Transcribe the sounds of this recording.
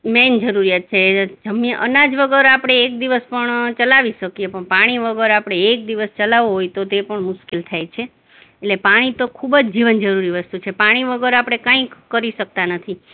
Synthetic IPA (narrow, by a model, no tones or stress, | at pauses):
mɛnd͡ʒəɾuɾiat̪̚t͡ʃʰed͡ʒəmjə̃ʔə̰nad͡ʒʋəɡəɾapɽ̃eːk̚d̪iʋəspəɳt͡ʃəlaʋiʃəkiepəɳpaɽ̃iʋəɡəɾapɽ̃eːk̚d̪iʋəst͡ʃəlaʋoɦojt̪ot̪epəɳmʊʃkelt̪ʰajt͡ʃʰe | etlepaɽ̃it̪okʰubd͡ʒd͡ʒiʋənd͡ʒəɾuɾiʋəst̪ut͡ʃʰepaɽ̃iʋəɡəɾapɽ̃ekãĩkːəɾiʃək̚t̪anət̪ʰi